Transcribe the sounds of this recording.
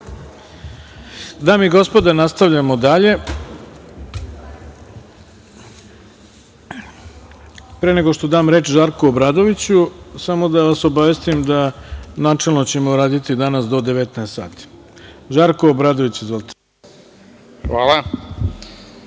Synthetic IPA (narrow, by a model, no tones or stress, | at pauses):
d̪aːmiɡo̞spo̞d̪anast̪aʋʎamo̞d̪aʎe̞ | pɾeːne̞ɡo̞ʂt̪od̪aːmɾe̞ːt͡ʃʒaɾkuobɾaːd̪o̞ʋit͡ɕusamo̞d̪aʋaso̞baʋe̞st̪imd̪anaːt͡ʂelˠnot͡ɕe̞mouɾaːd̪it̪id̪anasd̪od̪eʋet̪neest̪sa̰ːt̪i̥ | ʒaːɾkoobɾaːd̪oʋit͡ɕuzʋolˠt̪ʰe̥ | xʋaːlˠa